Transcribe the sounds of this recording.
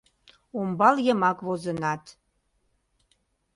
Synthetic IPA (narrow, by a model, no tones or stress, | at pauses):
umbɑljəmɑkβozənɑt̪